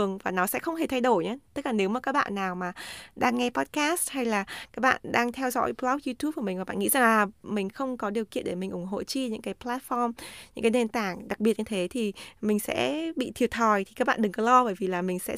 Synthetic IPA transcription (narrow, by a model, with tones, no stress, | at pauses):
əŋvaː˨˩nɔ˨˦sɛ̰˧˥xə˧wŋ͡mhe˨˩t̪ʰa˧jɗo˧˩jɲaː˨˦t̪k̚laː˨˩ne˨˦wmaː˨˩kaː˦˥k̚ɓa̰ː˧˨nːaː˨˩wmaː˨˩ɗaː˧ŋːɛ˧pɔ˦˥t̚kaː˦˥st̚ha˧jlaː˨˩kaː˦˥k̚ɓa̰ː˧˨nɗaː˧ŋt̪ʰɛ˧wzɔ̰˧˥jplɔ˦˥zu˧t̪u˦˥p̚kːu˧˩m˨˩vaː˨˩ɓa̰ː˧˨ŋḭ˧˥za˨˩ŋaː˨˩mï˨˩ŋ̟xə˧wŋ͡mkɔ˨˦ɗi˨˩əwkḭ˧˨ənɗe˧˩mï˨˩ŋ̟ʔʊ˧˩ŋ͡mɦo̰˧˨t͡ɕi˧ɲɨ̰˧˥ŋkaː˨˦jplaː˦˥t̚fɔ˧mɲɨ̰˧˥ŋkaː˨˦ne˧nt̪aː˧˩ŋɗa˨˩k̚ɓi˨˩ət̚ɲɨ˧t̪ʰe˨˦t̪ʰi˨˩mï˨˩ŋ̟sɛ̰˧˥ɓḭ˧˨t̪ʰi˨˩t̚t̪ʰɔ˨˩jt̪ʰi˨˩kaː˦˥k̚ɓa̰ː˧˨ɗɨ˨˩ŋkɔ˨˦lɔ˧ɓəː˧˩jvi˨˩laː˨˩mï˨˩ŋ̟sɛ̰˧˥